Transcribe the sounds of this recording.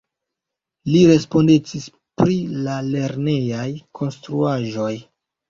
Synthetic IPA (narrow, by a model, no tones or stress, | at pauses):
liɾe̞spo̞ndet͡sis | pɾilale̞ɾne̞jajkʰo̞nstɾuaʒo̞j